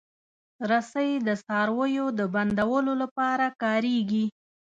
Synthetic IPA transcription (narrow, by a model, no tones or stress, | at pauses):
ɾasəjd̪əsɑɾwəjod̪əband̪awəlolapɑɾakɑɾeɡi